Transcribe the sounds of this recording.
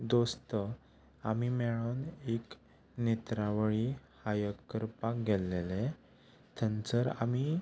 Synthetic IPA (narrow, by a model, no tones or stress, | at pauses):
d̪ost̪ə | amimɛɭonek | net̪ɾaʋəɭihajəkːəɾpakɡɛlːele | t̪ʰənt͡səɾa̰mi